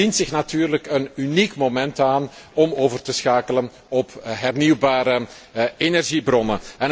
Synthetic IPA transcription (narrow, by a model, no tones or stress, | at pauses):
intsɪxnatyːrləkənynikmomɛntaːnɔmoːvərtəsxaːkələn | ɔpɦɛrniwbaːɾə | enɛrʒibrɔnəɛn